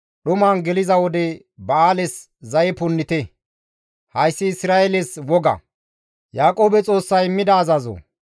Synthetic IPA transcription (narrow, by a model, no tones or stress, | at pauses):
ɗʊmanɡɛlɪzɐwɔd̪ɛ | bɐaːlɛs | zɐjɛpʊnːɪt̪ɛ | hɐjsːɪːsɾaːjɛlɛswɔɡɐ̰ | jaːkʼo̞ːbɛt͡sʼo̞ːsːɐjmːɪd̪ɐːzɐzo̰